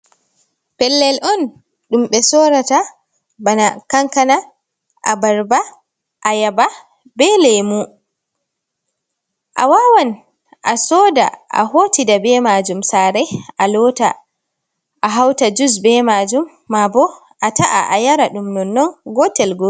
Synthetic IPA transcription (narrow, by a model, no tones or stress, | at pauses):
pɛlːɛlʔɔn | ɗumɓɛsɔːɾata | banakaŋkana | ʔa̰baɾba | ʔajaba | bɛlemu | ʔa̰wawan | ʔasɔːda̰ʔa̰ɦoːtidabɛmad͡ʒumsaːɾɛʔalɔta | ʔaɦawtad͡ʒus̬bɛmad͡ʒumːabɔ | ʔataʔa̰ʔajaɾaɗumnɔnːɔnɡɔtɛlɡo